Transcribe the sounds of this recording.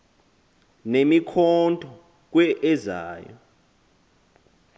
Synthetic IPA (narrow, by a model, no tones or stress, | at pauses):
nemikʰɔntʼɔ | k̬wɛʔɛza̰ːjɔ̰